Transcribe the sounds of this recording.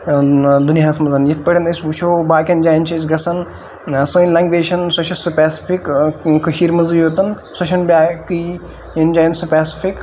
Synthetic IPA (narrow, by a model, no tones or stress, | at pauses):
d̪unjaːsmɐzɐnjɐt̪̚ʰpɐɽʲɐnɐsʋuʃʰoːbaːkʲɐnd͡ʒaːjint͡ʃʰɐs̬ɡɐsɐn | ɐsɨ̃ːnlɐ̃ŋɡʋeːʃɐnsɐʃʰɐsɐpɛːsi̥fikkɐʃiːɾmɐzjoːt̪ɐn | sɐʃʰɐnbʲaːki | jɐnd͡ʒaːjinsɨpɛːsi̥fʰik